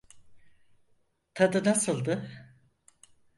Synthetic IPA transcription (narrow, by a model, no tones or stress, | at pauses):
t̪ʰad̪ɯnasɯlˠd̪ɯ